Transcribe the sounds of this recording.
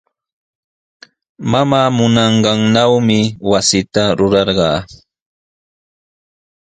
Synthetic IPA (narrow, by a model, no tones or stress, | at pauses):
mamaːmʊnɑɴɢɑŋnawmɪwasɪt̪aɾʊɾɑɾɢɑː